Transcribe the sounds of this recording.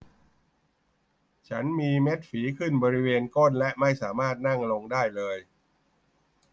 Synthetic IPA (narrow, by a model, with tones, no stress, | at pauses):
t͡ɕʰa˦˥nmiː˧me˦˥t̪̚fiː˩˦kʰɯ˥˩nbɔː˧ɾi˦˥weː˧nko˥˩nlɛ˦˥ʔma˥˩jsaː˩˦maː˥˩t̪̚na˥˩ŋlo˧ŋdaː˥˩jlɤː˧j